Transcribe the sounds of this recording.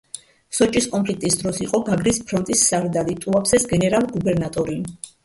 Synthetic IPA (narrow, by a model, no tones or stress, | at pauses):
sɔt͡ʃʼiskʼɔmpʰlik̚t̪ʼisd̪ɾɔsiqʼɔɡaɡɾispʰɾɔnt̪ʼisːaɾd̪alit̪ʼuapsɛsɡɛnɛɾalˠɡubɛɾnat̪ʼɔɾi